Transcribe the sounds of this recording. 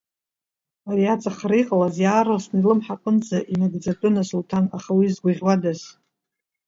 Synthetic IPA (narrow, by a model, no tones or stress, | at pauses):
ariat͡sʼaχarijqʼalazjaːrasnilɨmħaqʼɨnd͡zaʔinaɡd͡zatʼʊnasultʰana̰χawizɡʷaʁʲwadaz